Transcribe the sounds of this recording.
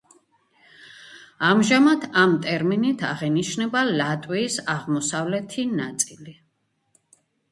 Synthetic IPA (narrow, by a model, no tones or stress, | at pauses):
amʒamat̪ʰamt̪ʼɛɾminit̪ʰaʁɛniʃnɛbalat̪ʼwiːsaʁmɔsavlɛt̪ʰinat̪sʼili